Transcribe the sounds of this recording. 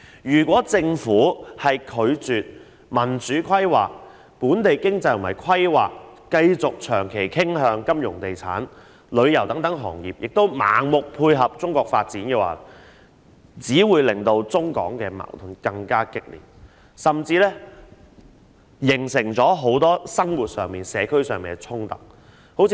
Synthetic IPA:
jyː˨˩kwɔː˨˥t͡sɪ˧ŋfuː˨˥hɐ˨jkʰɵ˨˧ɥt͡syː˨t̚ | mɐ˨˩nt͡syː˨˥kʰɐ˥jwaː˨k̚ | puː˨˥nt̪e˨jkɪ˥ŋt͡sɐ˧jt̪mɐ˨˩jkʰɐ˥jwaː˨k̚ː | ɐ˧jt͡sʊ˨k̚t͡ʃʰœː˨˩ŋkʰe˨˩jkʰɪ˥ŋɦœː˧ŋkɐ˥mjʊ̰˨˩ŋt̪e˨jt͡sʰaː˨˥n | lɵ˨˧ɥjɐ˨˩wt̪ɐ˨˥ŋt̪ɐ˨˥ŋɦɔ̰ː˨˩ŋjiː˨p̚jɪ˨k̚t̪o˥wma̰ː˨ŋmʊ˨k̚pʰuː˧jɦɐ˨p̚t͡sʊ˥ŋkɔː˧k̚faː˧t̚t͡siː˨˥nkɛː˧wa̰ː˨˩l | t͡siː˨˥wuː˨˧jlɪ˨˩ŋt̪o˧wt͡sʊ˥ŋkɔ̰ː˨˥ŋkɛː˧ma̰ː˨˩wt̪ʰʊ˨˧nkɐ˧ŋkaː˥kɪ˥k̚lḭː˨˩n̚ | sɐ˨mt͡siː˧lɛː˥ | jɪ˨˩ŋsɪ˨˩ŋt͡sɔː˨˥ɦo˨˥wt̪ɔː˥sɐ˥ŋwuː˨t̚sœː˨ŋmiː˨˩nsɛː˨˧kʰɵ˥ɥsœː˨ŋmiː˨˩ŋɛ˧t͡sʰʊ˥ŋt̪ɐ̰˨˩k̚ | ho˨˥wt͡sʰː

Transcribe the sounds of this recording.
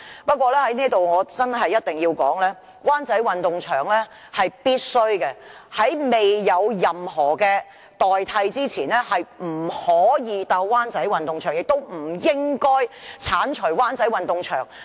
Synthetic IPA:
pɐ˥t̚kʷwɔː˧lɛː˥hɐ˨˥jniː˥t̪o˨wŋɔː˨˧t͡sɐ˥nɦɐ˨jːɐ˥t̚t̪ɪ˨˩ŋjiː˧wkɔ̰ː˨˥ŋlɛː˥ | waː˥nt͡sɐ˨˥jwɐ˨nt̪ʊ˨ŋt͡ʃʰœː˨˩ŋlɛː˥ | hɐ˨jpiː˥t̚sɵ˥ɥkɛ˧ | hɐ˨˥jme˨jːɐ˨˧wjɐ˨mɦɔː˨˩kɛː˧ | t̪ɔː˨jt̪ʰɐ˧jt͡siː˥t͡sʰiː˨˩nlɛː˥hɐ˨jm̩˨˩hɔː˨˥jiː˨˧t̪a˧wwaː˥nt͡sɐ˨˥jwɐ˨nt̪ʊ˨ŋt͡ʃʰœː˨˩ŋjɪ˨k̚t̪o˥wm̩˨˩jɪ˥ŋkɔː˥jt͡sʰaː˨˥nt͡ʃʰɵ˨˩jwaː˥nt͡sɐ˨˥jwɐ˨nt̪ʊ˨ŋt͡ʃʰœ̰ː˨˩ŋ

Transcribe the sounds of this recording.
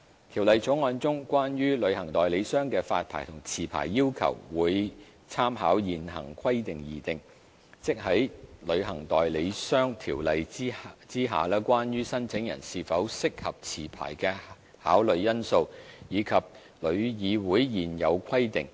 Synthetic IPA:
t̪ʰiː˨˩wlɐ˨˧jt͡sʰʊ˨˥ŋɔː˨˧nt͡sʊ˥ŋkʷwaː˥njyː˥lɵ˨˧ɥhɐ˨˩ŋt̪ɔː˨jle˨˧jsœː˥ŋkɛː˧fa̰ː˧t̚pʰa̰ː˨˩jt̪ʰʊ˨˩ŋt͡sʰiː˨˩pʰa̰ː˨˩jːiː˥wkʰɐ̰˨˩wwuː˨˧j | t͡sʰaː˥mɦaː˨˥wjiː˨˩nɦɐ̰˨˩ŋkʰwɐ˥jt̪ɪ˨ŋjiː˨t̪ɪ˨ŋ | t͡sɪ˥k̚ɦɐ˨˥jlɵ˨˧ɥɦɐ˨˩ŋt̪ɔː˨jle˨˧jsœː˥ŋt̪ʰiː˨˩wlɐ˨˧jt͡siː˥ɦa̰ː˨lɛː˥kʷaː˥njyː˥sɐ˥nt͡sʰɪ˨˥ŋjɐ̰˨˩nsiː˧fɐ˨˥wsɪ˥k̚hɐ˨p̚t͡sʰiː˨˩pʰa̰ː˨˩jkɛː˧ | ha̰ː˨˥wlɵ˨˧ɥjɐ˥nso˧wjiː˨˧kʰɐ˨p̚ | lɵ˨˧ɥjiː˨˧wuː˨˥jjiː˨˩njɐ˨˧wkʰɐ˥jt̪ɪ˨ŋ

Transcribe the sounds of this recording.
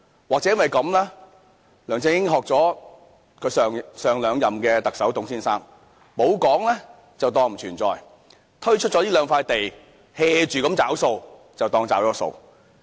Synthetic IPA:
waː˨k̚t͡sɛː˨˧˥jnwɐ˨˩jkɐ˨˧mlɛː˥ | lœː˨˩ŋt͡sɪ˧˥ŋjɪ˥ŋɦɔː˨k̚t͡sɔː˨˥ | kʰɵ˨˧˥sːŋsœː˨˧ŋlœː˨˧ŋjɐ˨mkɛː˧t̪ɐ˨k̚sɐ˨˥wt̪ʊ˨˥ŋsiː˥nsaː˥ŋ | mo˨˥wkɔː˨˥ŋlɛː˥ | t͡sɐ˨wt̪ɔː˧ŋm̩˨˩t͡ʃʰyː˨˩nt͡sɔ̰ː˨j | t̪ʰɵ˥ɥt͡ʃʰt̚t͡ʃɔ˨˥iː˥lœː˨˧ŋfaː˧jt̪e˨j | hɛː˧t͡ʃyː˨kɐ˨˥mt͡saː˨˥wso˧w | t͡sɐ˨wt̪ɔː˧ŋt͡sa̰ː˨˥wɔː˨˧˥so̰˧w

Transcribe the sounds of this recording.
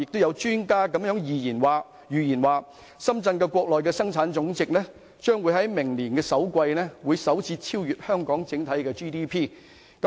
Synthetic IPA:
ɪ˨k̚t̪o˥wjɐ˨˧wt͡ʃyː˥nkaː˥kɐ˨˥mjœː˨˥ŋjiː˨jiː˨˩nwaː˨˩ | jyː˨˩jiː˨˩nwaː˨˩ | sɐ˥mt͡sɐ˧nkɛː˧kʷɔː˧k̚lɔː˨jkɛː˧sɐ˥ŋt͡sʰaː˨˥nt͡sʊ˨˥ŋt͡sɪ˨k̚lɛː˥ | t͡ʃœː˥ŋwu˨˧˥jhɐ˨˥jmɪ˨˩ŋliː˨˩nkɛː˧sɐ˨˥wkʷɐ˧jnɛː˥wuː˨˧jsɐ˨˥wt͡siː˧t͡sʰiː˥wjyː˨t̚hœː˥ŋkɔː˨˥ŋt͡sɪ˨˥ŋt̪ʰɐ˨˥jkɛː˧t͡ʃiː˥t̪iː˥pʰiː˥ | kɐ˨˦

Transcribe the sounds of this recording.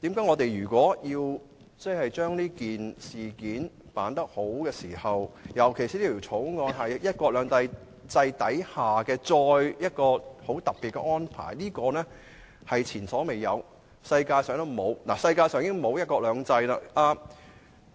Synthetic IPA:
t̪iː˨˥mkaː˨˥jŋɔ˨˧t̪e˨jɥyː˨˩kʷɔː˨˥jiː˧w | t͡sɛ˥hɐ˨jt͡ʃœː˥ŋniː˥kiː˨nsiː˨kiː˨˥npaː˨˥nt̪ɐ˥k̚ho˨˥wkɛː˧siː˨˩hɐ˨wjɐ˨˩wkʰe˨˩jsiː˨˥iː˥pʰi˨˩t͡ʃʰo˨˥wŋɔː˧nɦɐ˨jjɐ˥t̚kɔː˧k̚lœː˨˧ŋt̪ɐ˧j | t͡sɐ˧jt̪ɐ˨˥jhaː˨kɛː˧t͡ʃɔː˧jjɐ˥t̚kɔː˧ho˨˥wt̪ɐ˨k̚pːi˨t̚kɛ̰˧ʔŋɔː˥npʰa̰ː˨˩jniː˥kɔː˧nɛː˥ | hɐ˨jt͡sʰiː˨˩nsɔː˨˥me˨˩jjɐ˨˧w | sɐ˧jkaː˧jsœː˨˥ŋt̪ɐ˥˨mo˨˧wna̰ː˨˩sɐ˧jkaː˧jsœː˨˥ŋjɪ˥ŋmo˨˧wjɐ˥t̚kɔː˧lœː˨˧ŋt͡sɐ˧jlaː˧ʔaː˧

